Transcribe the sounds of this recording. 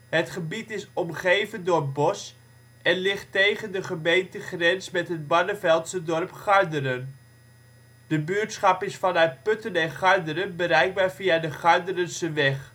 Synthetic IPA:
ɦətχəbitɪsɔmχejvəndʊːɹbɔs | ɛnlɪχtejχəndəχəmejntəχrɛnsmɛtɦəd̚bɑnəvɛlˠtsədɔrpχɑɹdəɾən | d̥əbyːɹtsχɑpɪsfɑnœɥt̚pɵtənɛnχɑɹdəɾənbəɾɛjɡ̚baːɹviadəχɑɹdərənsəʋɛχ

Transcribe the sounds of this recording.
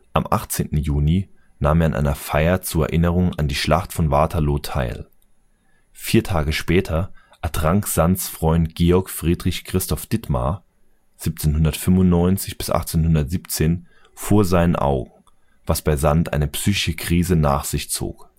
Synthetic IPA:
ʔamʔa̰χt͡seːntn̩juːni | naːmeːɐanʔa̰ɪnɐfaɪɐt͡suːɐɛ̰ɐʔɪnəʁ̞ʊŋa̰ndiːʃla̰χtfɔnvaɐtʰaloːtʰa̰ɪl | fiːɐtʰaːɡəʃpɛːtʰɐʔɛɐtʁ̥aŋkz̥ansfʁ̥ɔʏntɡ̥eːɔɐkfʁ̥iːdʁɪçkʁ̥ɪstɔfd̥ɪtma̰ | z̥iːp̚t͡seːnhʊndɐtfʏmvʊntnɔʏnt͡sɪçb̥ɪ̥sʔa̰χt͡seːnhʊndɐtz̥iːpt͡seːn | foːɐzaɪnənʔa̰ʊɡŋ̩ | v̥asb̥aɪzantʔa̰ɪnəpsyːçɪʃəkʁ̥iːzənaːχz̥ɪçt͡so̰ːk

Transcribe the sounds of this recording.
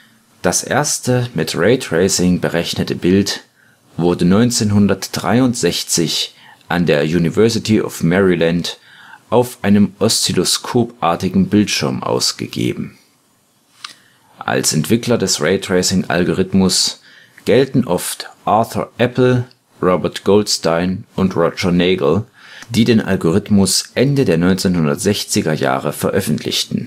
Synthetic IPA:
d̥asʔḛːɐstəmɪtʁeɪtʁ̥eɪsɪŋbəʁɛçnətəbɪlt | vʊɐdənɔʏnt͡seːnɦʊndɐtd̥ʁa̰ɪʊntz̥ɛçt͡sɪç | ʔandeːɐjuːnivɛɐsɪtʰiʔɔ̰fmɛʁiland | ʔaʊfʔaɪnəmʔɔst͡siloskʰoːpʔaɐtɪɡŋ̩bɪltʃɪɐmʔa̰ʊsɡ̥ə̰ɡ̥ḛːbm̩ | ʔa̰lsʔɛntv̥ɪklɐdɛsʁɛɪtʁɛsɪŋʔa̰lɡoʁɪtmʊs | ɡ̥ɛltn̩ʔɔftʔaɐθɔ̰ʔɛpl̩ | ʁɔbɐɐtɡ̥oltstaɪnʔʊntʁɔt͡ʃɐneɪɡl̩ | d̥iːdeːnʔa̰lɡoʁ̞ɪtmʊsʔɛndədeːɐnɔʏnt͡seːnhʊndɐ̰tz̥ɛçt͡sɪɡɐja̰ːʁəfɛɐʔœfn̩tʰlɪ̰çtn̩

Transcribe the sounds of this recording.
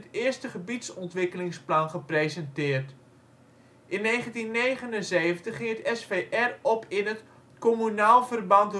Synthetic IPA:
ətɪːəstəχəbitsɔntʋɪkəlɪŋsplɑnχəprejzɛntɪːrt | ʔɪnːeːχəntinːejχənənzeːvəntəχːɪŋətɛsfeʔɛrɔpɪnət | komynaːlˠvərbɑnt

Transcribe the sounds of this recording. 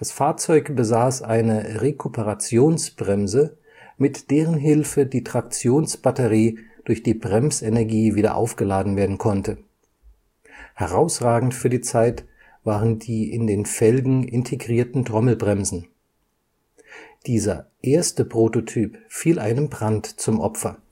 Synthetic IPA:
d̥asfaːɐt͡sɔʏkb̥əzaːsʔaɪnəʁekʰupʰəʁat͡sjoːnsb̥ʁɛmzə | mɪtd̥eːʁ̞ənɦɪlfədiːtʁ̥ak̚t͡sjoːnsb̥atəʁiːd̥ʊɐçd̥iːbʁɛmsenɛɐɡiːviːdɐ̰ʔa̰ʊfɡ̥əlaːdn̩veːɐdn̩kʰɔntə | hɛʁaʊsʁaːɡŋ̩tfyːɐdiːt͡saɪt | v̥aːʁəndiːʔɪndeːnfɛlɡŋ̩ʔɪntʰeɡʁiːɐtn̩tʁ̥ɔml̩bʁɛmzn̩ | d̥iːzɐʔeːɐstəpʁ̥ototʰyːpfiːlʔa̰ɪnəmbʁantt͡sʊmʔɔpfɐ

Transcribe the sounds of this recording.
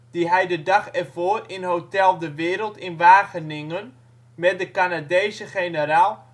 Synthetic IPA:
d̥iɦɛjdədaχɛrvoːrɪnɦowtɛlˠdəʋɪːɾəlˠtɪnʋaːχənɪŋən | mɛt̚dəkanadejzəχejnəɾaːlˠ

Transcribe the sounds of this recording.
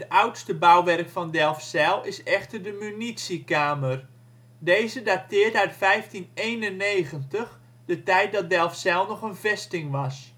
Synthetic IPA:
ətʌwtstəbawʋɛrkfɑndɛlˠfsɛlˠɪsɛχtərdəmynitsikaːmər | dejzədatɪːrdəœɥtfɛjftinejnənːejχəntəχ | dətɛjt̚dɑt̚dɛlˠfsɛlˠnɔχənvɛstɪŋʋɑs

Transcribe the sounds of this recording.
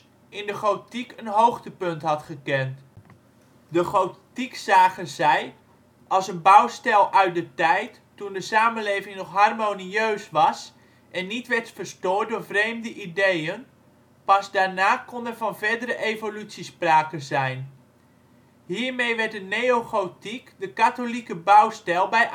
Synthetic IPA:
ɪndəχotikənɦowχtəpɵntɦɑtχəkɛnt | dəχowtiksaːχənzɛj | ʔɑlˠsənbʌwstɛlˠʔœɥt̚dətɛjtːundəsaːmənlejvɪŋnɔχɦɑrmoniøɥsʋɑs | ʔɛnːitʋɛɹtfəɹstoːɹt̚dʊːɹvrejmdəʔidejən | pɑzdaːɹnaːkɔndənvɑnvɛɹdəɾəʔejvolytsispraːkəzɛjn | ɦiːɹmejʋɛɹtdənejoχotikdəkatolikəbʌwstɛlˠbɛj

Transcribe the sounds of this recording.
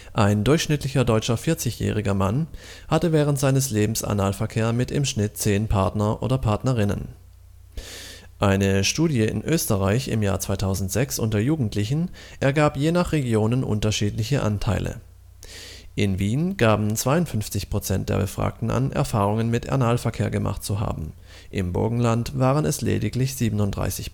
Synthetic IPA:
ʔaɪndʊɐçʃnɪtlɪçɐdɔʏt͡ʃɐfɪɐt͡sɪçjɛ̰ːʁɪɡɐman | hatəvɛːʁ̞əntz̥aɪnəsleːbm̩sa̰naːlfɛɐkʰeːɐmɪtɪ̰mʃnɪtt͡seːnpʰaɐtnɐʔo̰ːdɐpʰaɐtnɐʁ̞ɪnə̰n | ʔaɪnəʃtuːdjəɪ̰nʔøːstəʁaɪçɪ̰mja̰ːɐt͡sv̥aɪtʰaʊzn̩tz̥ɛksʔʊntɐɐjuːɡŋ̩tʰlɪçn̩ʔɛɐɡaːpjeːnaχʁeɡjoːnənʔʊ̰ntɐʃiːtlɪçəʔa̰ntʰaɪlʔə̰ | ʔɪnviːnɡ̥aːbm̩t͡sv̥aɪʊntfʏnft͡sɪçpʁ̥ot͡sɛnt̚d̥eːɐbəfʁ̥a̰ːk̚tn̩ʔa̰nʔɛ̰ɐfaːʁʊŋənmɪtʔɛ̰ɐnaːlfɛɐkʰeːɐɡəmʔa̰χt̚t͡suɦa̰ːbm̩ | ʔɪmbʊ̰ɐɡŋ̩lantv̥aːʁənɛslḛːdɪklɪçz̥iːbənʊntd̥ʁa̰ɪsɪç

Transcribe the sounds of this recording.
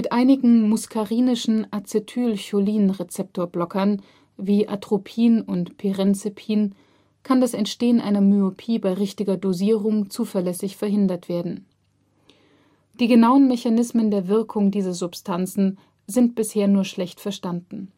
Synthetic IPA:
mɪtʔaɪnɪɡŋ̩mʊskʰaʁiːnɪʃn̩ʔat͡setʰyːlçoliːnʁet͡sɛp̚tʰoːɐblɔkɐn | viːʔa̰tʁ̥opʰiːnʊntpʰeʁɛnt͡sɪpʰiːn | kʰandasɛntʃteːənʔaɪnɐmyopʰiːbaɪʁɪçtɪɡɐdoziːʁʊŋt͡suːfɛɐlɛsɪçfɛɐɦɪndɐtv̥eːɐdn̩ | d̥iːɡənaʊənmɛçanɪsməndeːɐvɪɐkʰʊŋdiːzɐzʊpstʰant͡sn̩ | zɪnt̚b̥ɪsheːɐnuːɐʃlɛçtfɛɐʃtandn̩

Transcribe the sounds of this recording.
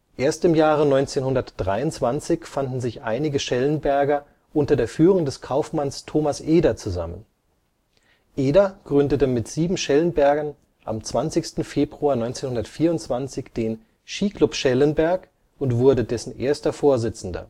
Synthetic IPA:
ʔeːɐstɪmjaːʁənɔʏnt͡seːnhʊndɐtd̥ʁaɪʊntt͡sv̥ant͡sɪçfandn̩zɪçʔa̰ɪnɪɡəʃɛlənbɛɐɡɐ | ʔʊntɐdeːɐfyːʁʊŋdɛskʰaʊfmanstʰoːmasʔeːdɐt͡suza̰mən | ʔeːdɐɡ̥ʁʏndətəmɪtz̥iːbm̩ʃɛlənbɛɐɡɐn | ʔa̰mt͡sv̥ant͡sɪçstn̩feːbʁuaːɐnɔʏnt͡seːnhʊndɐtfiːɐʊntt͡sv̥ant͡sɪçd̥eːn | ʃiːklʊpʃɛlənbɛɐk | ʊntv̥ʊɐdədɛsn̩ʔḛːɐstɐfoːɐzɪt͡sn̩dɐ̰

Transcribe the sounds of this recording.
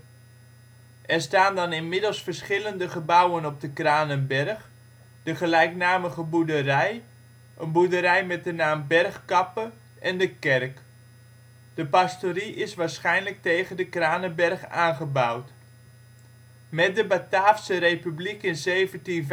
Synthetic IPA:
ʔɛɹstaːndɑnɪnmɪdəlˠsfəɹsχɪləndəχəbawənɔb̚dəkraːnənbɛrχ | d̥əχəlɛjknaːməχəbudərɛj | ʔənbudəɾɛjmɛt̚dənaːmbɛrχkɑpə | ʔɛndəkɛrk | d̥əpɑstoɾiʔɪsʋaːɹsχɛjnlək̚tejχəndəkraːnənbɛrχaːnχəbawt | mɛt̚dəbataːfsərejpyblikɪnzejvəntinv

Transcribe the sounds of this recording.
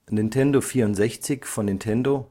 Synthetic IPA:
nɪntʰɛndofiːɐʊntz̥ɛçt͡sɪçfɔnːɪntʰɛndo

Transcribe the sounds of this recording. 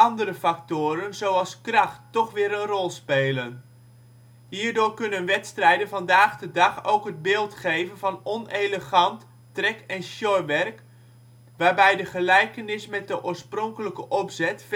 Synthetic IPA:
ɑndəɾəfɑk̚tʊːɾənzowɑlˠskrɑχtːɔχʋɪːɾənrɔlˠspeːlən | ɦiːɹdʊːɹkɵnənʋɛtstrɛjdənvɑndaːχdədɑχowkɦəd̚bɪːlˠtχejvənvɑnɔnejləχɑntː | rɛkɛnʃjɔjʋɛrk | ʋaːɹbɛjdəχəlɛjkənɪsmɛt̚dəʔʊːɹsprɔŋkələkəʔɔpzɛtf

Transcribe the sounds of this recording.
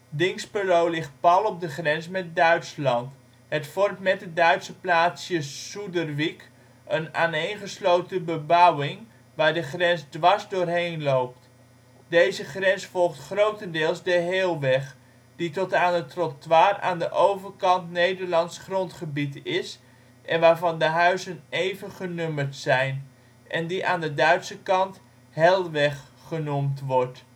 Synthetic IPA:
dɪŋspərowlɪχt̚pɑlˠɔb̚dəχrɛnsmɛt̚dœɥtslɑnt | ɦətfɔrtmɛt̚dədœɥtsəplaːtsjəsudərʋik | əna̰ːnejnχəslowtəbəbʌwɪŋ | ʋaːɹdəχrɛnsdʋɑɹzdʊːrɦejnlowp̚t | dejzəχrɛnsfɔlˠχtχrowtəndɪːlˠzdəɦeːlˠʋɛχ | d̥itɔtaːnətrɔtʋaːra̰ːndəʔowvəɹkɑntnejdəɹlɑnsχrɔntχəbitɪs | ʔɛnʋaːɹvɑndəɦœɥzənejvəχənøməɹtsɛjn | ʔɛndiʔaːndədœɥtsəkɑnt | ɦɛlˠʋɛχχənumtʋɔɹt

